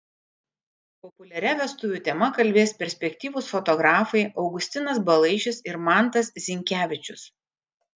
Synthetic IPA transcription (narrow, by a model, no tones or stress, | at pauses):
pɔpʊlʲɛɾʲɛʋʲɛst̪ʊʋʲuːt̪ʲɛmɐkɐlʲbʲeːspʲɛɾʲsʲpʲɛkʲt̪ʲiːʋuːsfɔt̪ɔɡɾɑːfɐɪʔɒʊɡʊsʲt̪ʲɪnɐsbɐlˠɐɪʃʲɪsɪɾmɑˑnt̪ɐszʲɪŋʲkʲæːʋʲɪt͡ʃʲʊs